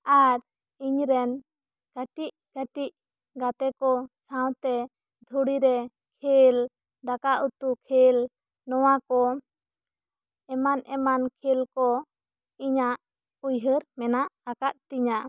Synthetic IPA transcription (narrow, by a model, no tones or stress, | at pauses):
aɾ | iɲɾɛn | kəʈiʔ | kəʈiʔ̚ | ɡat̪ɛkɔsaw̃t̪ɛ | d̪ʱuɽiɾɛ | kʰel | d̪akaʔut̪ukʰel | nɔwakɔ | ɛmanʔɛmankʰilkɔ | iɲaʔ | ujɦəɾmɛnaʔakaʔ̪̚t̪iɲa